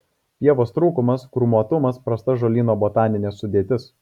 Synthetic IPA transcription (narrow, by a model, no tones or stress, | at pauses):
pʲiɛʋoːst̪ɾuːkʊmɐskɾʊmuɔt̪ʊmɐspɾɐst̪ɐʒoːlʲiːnoːboːt̪ɑːnʲɪnʲeːsːʊd̪ʲeːt̪ʲɪs